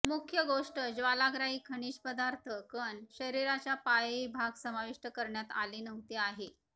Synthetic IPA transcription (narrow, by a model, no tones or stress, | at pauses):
mukʰjəɡoʂʈəd͡ʑʋalaɡɾaɦiːkʰəɽ̃iːɕpəd̪aɾt̪ʰəkənɕəɾiɾat͡ɕjapajʋibʱaɡsəmaʋiʂʈəkəɾɳjat̪a̰liːnəʋt̪iaɦe